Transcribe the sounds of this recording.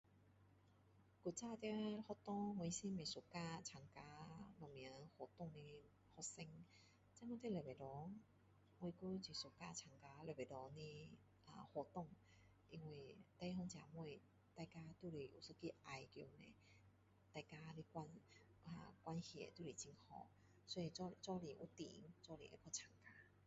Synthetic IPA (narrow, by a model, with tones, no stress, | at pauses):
ku˧t͡saː˧˨t̪ɛ˧˦hɔ˧˦t̪ɔ˧˦mɔ˧˨jsi˧mɛ˧˨su˨kaː˧˩t͡ɕʰa˨˩ŋkaː˧˦lɔ˨˧˨mi˧˨ə˦ho˧˦t̪ɔ˧˨ŋni˧ | hɔ˧sɛ˧ŋ | t͡sa˧˦mɔ˧˦t̪e˧˨lə˨ba˨jdɔ˨˦ | mɔ˧jku˧˦t͡ɕi˧˩su˨˦kaː˧t͡ɕʰa˧˩ŋkaː˧˦lɔ˨˧˩ba˨jdɔ˨˦ni˧˦ | ʔa˧˨hɔ˧˦t̪ɔ˥˧˨ŋ | ʔi˧ŋwe˧t̪a˧˦ɦɔ˧ŋt͡ɕja˨˧mwɔ˧j | t̪a˧jka˧t̪u˥˧˨li˨˩ʔu˨˩sɨ˧˦ki˧˦˧ʔa˧jkjo˧nẽ˧˩ | t̪a˧jka˧li˧kwa˧n | ʔa̰˨˩kwa˧nhjɛ̰˨˩t̪u˥˧˨li˨˩˦t͡ɕi˧ŋhɔ̰˧˦ | swɔ˧˦i˧t͡ɕɔ˥˧˩li˨˧˦ŋʔṵ˧˦t̪ḭ˨˦ŋt͡sɔ˥˧lḭ˨˧˦ŋʔe˧˦kʰɔ˧˩t͡ɕʰa˨˧˩ŋka˧˦